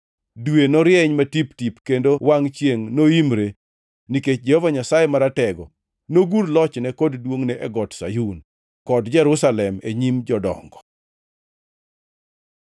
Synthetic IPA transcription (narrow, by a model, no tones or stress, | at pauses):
dwenɔɾjɛɲmatiptipkendowaŋt͡ʃjeŋnoimɾe | niket͡ʃd͡ʒɛhɔvaɲasajemaɾatɛɡɔ | noɡuɾlɔt͡ʃnɛkɔddwoŋnɛʔɛɡɔtsa̰jun | kɔdd͡ʒɛɾʊsalɛmeɲimd͡ʒɔdɔ̰ŋɡɔ̥